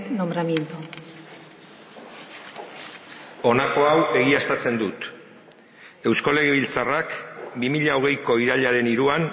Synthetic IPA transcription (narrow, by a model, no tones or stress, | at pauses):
nombɾamjent̪u | o̞nako̞awe̞ɣ̞iast̪at͡se̞nd̪ut̪ | e̞wskole̞ɣiβilt͡sarakbimiʎao̞ɣ̞e̞jko̞iɾaʎaɾe̞niɾuan